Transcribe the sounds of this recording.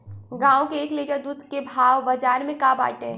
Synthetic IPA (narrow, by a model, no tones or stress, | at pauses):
ɡãːõkeːkleːʈəɾd̪uːd̪ʱkebʱaːʋbɐd͡ʒaːɾmẽkaːba̰ːʈe